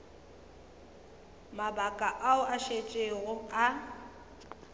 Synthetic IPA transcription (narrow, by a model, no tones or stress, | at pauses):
mabakʼaʔaʊʔaʃet͡ʃʼeɣʊa